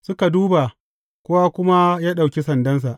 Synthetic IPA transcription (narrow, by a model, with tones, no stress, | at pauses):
sʊ˦ka˨duː˦ba˨ | kʷʊ˦wa˦kʷʊ˦ma˦jaː˦ɗa˨wkʲi˦sɐ˨ndɐ˦ns̬a˨ʔ